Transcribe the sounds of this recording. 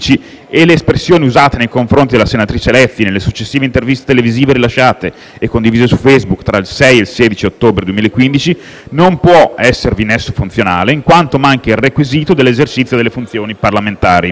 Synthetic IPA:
t͡ʃi | eleːspɾesːjoːniuzaːt̪enejkoɱfɾont̪id̪elasenat̪ɾiːt͡ʃelɛfːinelːesut͡ʃːesːiːveint̪ervist̪et̪eleviziːveɾilaʃːaːt̪e | ekːond̪iviːzesufɛjzbukt̪ɾailsɛjelseːd̪it͡ʃiot̪ːoːbɾed̪uemilaekːwind̪it͡ʃi | nompwɔɛsːervinesːofunt̪sjonaːleiŋkwant̪omaŋkeilrekwiziːt̪od̪elːezert͡ʃit̪sːjod̪elːefunt̪sjoːniparlament̪aːɾi

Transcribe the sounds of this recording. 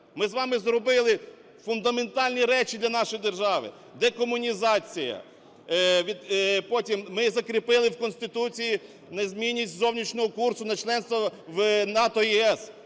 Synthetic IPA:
mɪzʋɑmɪzɾɔbɪlˠɪ | fʊnd̪ɐment̪ɑlʲnʲiɾɛt͡ʃid̪lʲɐnɑʃɔjid̪erʒɑʋɪ̰ | d̪ɛkɔmʊnʲizɑt͡sʲijɐ̰ | ʋʲipɔtʲimːɪzɐkɾʲɪpɪlˠɪwkɔnsʲt̪ɪt̪ut͡sʲiji | nezʲmʲinʲːisʲtʲzɔwnʲit͡ʃnʲɔɦɔkursʊnɐt͡ʃlˠɛnst̪ʋɐʋnɑt̪ɔjiɛs

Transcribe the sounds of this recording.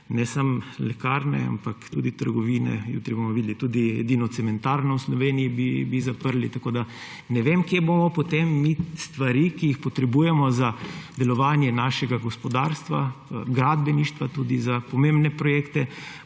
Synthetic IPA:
nɛsamlɛkaːɾnɛ̰a̰mpakt̪uːd̪it̪əɾɡɔʋiːnɛ̰jṵt̪ɾibomɔʋiːd̪lit̪ud̪iɛ̰d̪iːnɔt̪sɛmɛnt̪aːɾnɔwslɔʋeːnijibibizapəɾlit̪akoːd̪a | nɛʋemkjebomɔpot̪emːist̪ʋaɾikijixpɔt̪ɾɛbuːjɛmɔzad̪ɛlɔʋaːnjɛnaːʃɛɡaɡɔspɔd̪aːɾst̪ʋaɡɾad̪bɛniʃt̪ʋat̪uːd̪izapɔmembnɛpɾɔjekt̪ɛ

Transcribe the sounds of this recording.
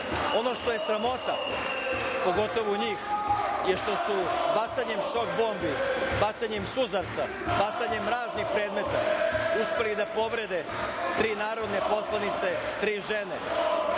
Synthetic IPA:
o̞no̞ʃt̪o̞je̞sɾamo̞t̪a | po̞ɡo̞t̪o̞ʋoɲiːxjeʃt̪o̞subat̪saɲe̞mʃo̞k̚bo̞ːmbibat͡ɕaɲemsuzaɾt̪sa | bat̪saɲe̞mɾaːznixpɾeːd̪me̞t̪auspe̞lid̪apo̞ʋɾe̞d̪e | t̪ɾiːnaːɾo̞d̪ne̞po̞slˠanit̪se̞t̪ɾiːʒene

